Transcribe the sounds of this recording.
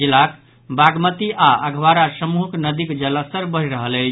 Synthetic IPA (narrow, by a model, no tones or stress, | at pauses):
ilak | baɡmət̪iʔaʔəɡʱwaɾasəmuɦknəd̪ikd͡ʒələsəɾbəɦiɾəɦələt͡ʃ